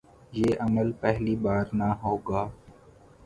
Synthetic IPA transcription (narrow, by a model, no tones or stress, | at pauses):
jeːʔəməlpɛɦliːbaːɾnaːɦoːɡaː